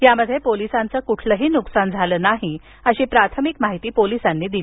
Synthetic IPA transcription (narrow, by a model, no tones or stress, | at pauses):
jaməd̪ʱːjepolisãnt͡səːkuʈʰləɦiːnuksand͡zʱaləːnaɦi | əɕiːpɾat̪ʰəmikmaɦit̪iːpolisanːiːd̪il